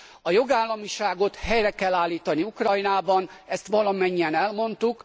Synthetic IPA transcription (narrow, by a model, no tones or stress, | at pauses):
ɒjo̞ɡaːlːɒmiʃaːɡo̞t̪hɛjrɛkɛlːaːlːiːt̪ɒniukrɒjnaːbɒnɛst̪ʋɒlɒmɛɲːiɛnɛlmo̞nt̪uk